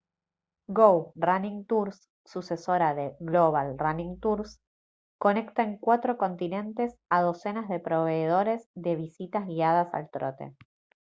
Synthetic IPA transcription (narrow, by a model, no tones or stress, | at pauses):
ɡowranĩŋt̪uɾsː | use̞so̞ɾaðeɣloβ̞alranĩŋt̪uɾs | ko̞ne̞kt̪aeŋkwat̪ɾo̞ko̞nt̪inẽ̞nt̪e̞saðo̞se̞nazðe̞pɾo̞βe̞ːðo̞ɾezðe̞β̞isit̪azɣiaðasa̰lt̪ɾot̪e̞̰